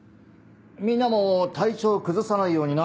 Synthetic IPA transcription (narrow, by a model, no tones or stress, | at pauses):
mʲĩnːamo̞t̪ʰait͡ɕo̞ːkɯ̟zɨsanaijo̞ːɲ̟ina